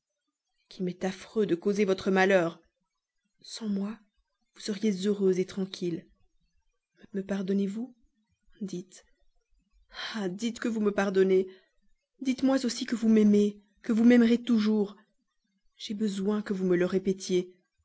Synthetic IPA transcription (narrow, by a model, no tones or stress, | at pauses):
kʰʲimɛt̪afχød̪əkozevɔt̪χəmalœːʁ | sɑ̃mwa | vusəʁjezøʁøzet̪χɑ̃kʲʰil | məməpaʁd̪ɔnevu | d̪it̪ | ad̪it̪kəvuməpaʁd̪ɔne | d̪it̪mwazosikəvumɛme | kəvumɛmʁet̪uʒuːʁ | ʒ̥ebəzwɛ̃kəvumələʁepet̪je